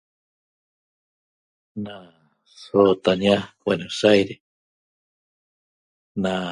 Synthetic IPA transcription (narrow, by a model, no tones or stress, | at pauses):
nã | sot̪aɲiãwenosajɾe | nã